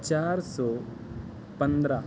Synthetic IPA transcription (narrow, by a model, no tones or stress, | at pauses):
t͡ʃaːɾsɔː | pə̃nd̪ɾaː